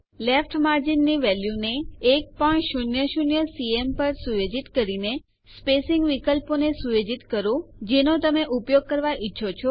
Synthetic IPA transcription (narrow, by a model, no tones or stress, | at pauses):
lefʰʈmaɾd͡ʒinːiʋɛljuneːk̚pəɳʃunjəʃunjəsiempəɾsuʋed͡ʒit̪kəɾine | spesɪŋɡʋikəlponesuʋed͡ʒit̪kəɾõd͡ʒenot̪əmeʔupjoɡ̚kəɾʋaʔitːʃʰot͡ʃʰo